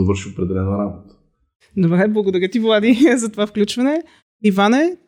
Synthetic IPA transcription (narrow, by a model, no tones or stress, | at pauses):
ovɤɾʃiopɾɛd̪ɛlɛnəɾabot̪ə̥ | d̪obɾɛblˠɐɡod̪ɐɾʲjət̪ivlˠad̪izɐt̪ovafklʲut͡ʃvɐnɛ | ivanɛ